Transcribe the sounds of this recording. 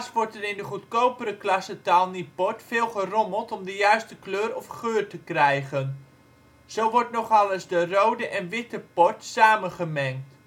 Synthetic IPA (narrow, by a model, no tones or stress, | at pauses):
sʋɔɹtɛɾɪndəχutkowpəɾəklɑsətalˠnipɔɹtfɪːlˠχərɔməlˠtɔmdəjœɥstəkløːrɔfχøːrtəkrɛjχən | z̥owʋɔɹtnɔχɑləzdərowdəʔɛnʋɪtəpɔɹtsaːmənχəmɛŋkt